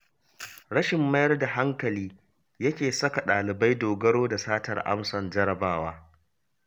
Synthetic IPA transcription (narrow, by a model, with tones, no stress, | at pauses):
ɽɐ˦ʃɪ˨mːɐ˦jɐ˦rda˨ɦa˦ŋkɐ˨liː˦ | jɐ˦kʲeː˨sɐ˦ka˨ɗaː˨lɪ˨ba˦jdoː˨ɡɐ˦ɽoː˦da˨saː˦tɐ̰˨rʔa̰˦msɔ˨nd͡ʒɐ˦ɾɐ˨baː˦waː˦